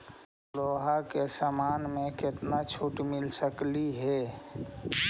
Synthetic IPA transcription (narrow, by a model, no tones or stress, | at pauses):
loːɦakesamaːnmẽkɪt̪nat͡ʃʰuʈmɪlsəkliɦɛ